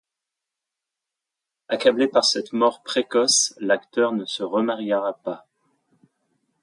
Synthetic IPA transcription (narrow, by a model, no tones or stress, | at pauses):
akablepaʁsɛt̪mɔʁpχekɔslakt̪œʁnəsəʁəmaʁjʁapa